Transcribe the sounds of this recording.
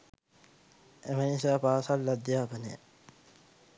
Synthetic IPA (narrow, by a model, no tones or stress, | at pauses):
emenisaːpaːsɐlːɐd̪ijaːpɐnḛ